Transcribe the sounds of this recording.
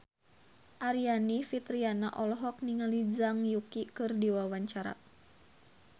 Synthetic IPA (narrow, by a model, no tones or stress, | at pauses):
ʔaɾijanifit̪ɾianaʔɔlɔɦɔk̚niŋalid͡ʒaŋjukikɨrdiwawaɲt͡ʃaɾa̰